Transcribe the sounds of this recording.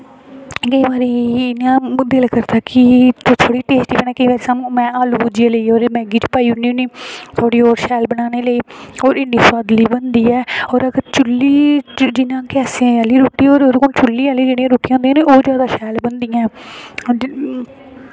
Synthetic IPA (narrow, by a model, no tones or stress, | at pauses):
ɡəiʋaːɾeːɪnːãːd̪eːlːkəɾt̪aːkɪt̪ot̪ʰoːɽiːʈeːsʈiːbənãːkeʋɛːɾsammɛ̃ːaːlubud͡ʒiaːləiːoːɾemɛ̃ːɡiːt͡ʃpaːiːʊnːiːniːt̪ʰoːɽiːɔːɾʃɛːlbənaːneːləiːoːɾɪnːiːswaːd̪liːbənd̪iːɛːɔːɾəɡəɾt͡ʃʊlːiːd͡ʒɪnãːkɛːsẽːaːliːɾuːʈːiːoːɾoɾkont͡ʃʊlːiːaːliːd͡ʒeːɽijãːɾuːʈijãːnd̪jãːiːoːd͡ʒjaːd̪aːʃɛːlbənd̪ɪjãɛː